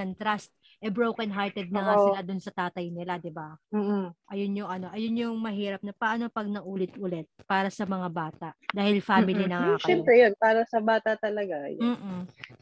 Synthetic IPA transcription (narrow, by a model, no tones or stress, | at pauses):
ɐnt̪ɾast̪̚ | ʔɛbɹowkɐnɦaɹt̪ɛd̪̚nɐŋasɪlad̪ʊnsɐt̪aːt̪ɐjnɪlad̪ɪbam̩ːʔɐjonɲoʔɐno̞ʔɐjonɲoŋmɐɦiːɾɐp̚nɐpɐʔano̞pɐɡ̚nɐʔuːlɪt̪ʔʊlɛt̪̚paːɾɐsɐmɐŋabaːt̪ɐʔd̪aːhɪlfaːmɪlinɐŋaʃɐɛmpɾɛjonpaːɾɐsɐbaːt̪ɐt̪ɐlɐɡajmm̩ːʔ